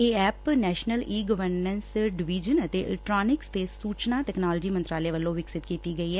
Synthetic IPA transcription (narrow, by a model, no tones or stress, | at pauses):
eːɛːpnɛːʃnəliːɡəʋəɾnənsɖɪʋid͡ʒənət̪eːɪ̰lɛkʈɾaːnɪkst̪eːsuːt͡ʃnaːt̪ɛːknaːld͡ʒiːmənt̪ɾaːleːʋəlːõːʋɪksɪt̪kiːt̪iːɡəiːɦɛː